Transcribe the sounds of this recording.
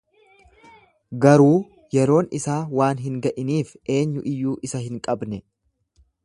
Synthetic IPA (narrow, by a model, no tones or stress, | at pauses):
ɡɐɾuː | jɛɾo̞ːnɪsaːwaːnɦɪŋɡɐʔɪniːfʔe̞ːɲːʊʔɪjːuːʔɪsɐɦɪŋkʼɐbnɛ